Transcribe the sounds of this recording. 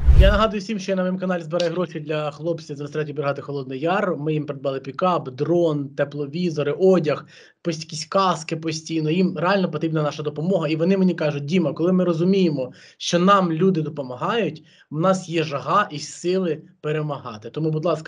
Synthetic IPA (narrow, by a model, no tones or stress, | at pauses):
janɐɦɑd̪ʊjʊwsʲimʃt͡ʃɔjanɐmimkɐnɑlʲzbeɾɑjɛɦɾɔʃid̪lʲɐxlˠɔpt͡sʲizmʲɪst̪ɾɑtʲibɾeɦɑt̪ɪxɔlˠɔd̪nɛjɑrmɪjimpeɾed̪bɑlˠɪpʲikɑpd̪ɾɔnt̪ɛplˠɔʋʲizɔɾɪʔɔdʲɐx | pɔsʲkʲisʲkɑskɪpɔsʲtʲijnɔjimɾeɑlʲnɔpɔt̪ɾʲibnɐnɑʃɐd̪ɔpɔmɔɦɐiʋɔnɪmenʲikɑʒʊt̚ʲd̪ʲimɐkɔlˠɪmɪɾɔzʊmʲijemɔ | ʃt͡ʃɔnɑmlʲud̪ɪd̪ɔpɔmɐɦɑjʊtʲ | wnɑsjɛʒɐɦɑʔisɪlˠɪpeɾemɐɦɑ̰t̪ɪt̪ɔmubʊd̪lˠɑskɐ